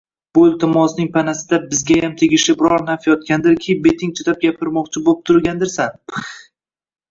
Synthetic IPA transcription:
b̥ʊlʲt̪ʰɪmɒsnɪŋpʰanasɪd̪abɪzɡʲajamt̪ʰeɡʲɪʃɪbɪɾɒɾnafjɒt̪̚kʲand̪ɪɾkʲʰɪbe̞t̪ʰɪŋt͡ʃ̪ʰɪt̪ap̚ɡʲapʰɪɾmɒqt͡ʃʰɪbop̚t̪ʰʊɾɡʲand̪ɪɾsan

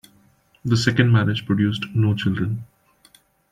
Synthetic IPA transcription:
d̪əsɛkə̃ɳɖmæɾɪd͡ʒpɾɔɖjuːsʈnoːt͡ʃɪlɖɾə̃n

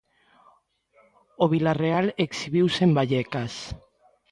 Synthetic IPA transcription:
oβilarealeksiβiwsembaʎɛkas

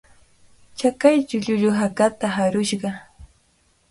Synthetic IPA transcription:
t͡ʃakajt͡ʃʊʎʊʎʊɦakat̪aɦaɾʊʃɢɑ

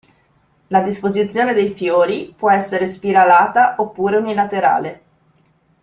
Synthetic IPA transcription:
lad̪ispozit̪sːjoːned̪ejfjoːɾipwɔɛsːeɾespiɾalaːt̪aʔopːuːɾeunilat̪eɾa̰ːle

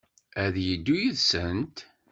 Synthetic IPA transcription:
æðjəd̪ːujiðsənt̪

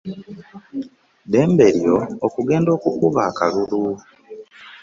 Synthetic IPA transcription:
de̞ːmbe̞ɾioːkuɡe̞ːndo̞ːkukuβaːkalulu

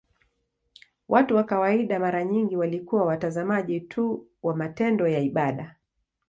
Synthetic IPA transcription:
wʔatuwakawaiɗamaɾaɲiŋɡiwalikuwawatazamaʄitʰuwamatɛndɔjaiɓaɗa

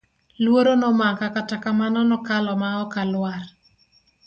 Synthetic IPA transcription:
lwoɾonɔmakakatakamanɔnɔkalɔmaɔkalwar

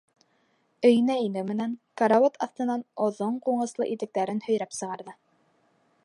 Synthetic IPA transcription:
ɵ̆jɘ̆næinɘmɘ̆næŋkaɾaot̪ʰɑθt̪ɤ̆nɑnŏðoɴquɴɤ̆slˠɤ̰ʔit̪ɘ̆k̚t̪æɾɘnhɵ̆jɾæpsɤ̆ʁɑɾðɤ

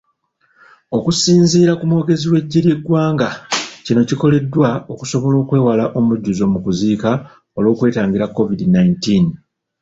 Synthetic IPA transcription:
o̞kusiːnziːɾakumo̞ːɡe̞ziwe̞ɟːiɾje̞ɡwaːŋɡacino̞ciko̞le̞dːwao̞ku̥so̞βo̞lo̞ːkwe̞ːwalaʔo̞muɟːuzo̞mukuziːka | o̞lwo̞ːkwe̞ːtaːŋɡiɾakːo̞vidinaintin

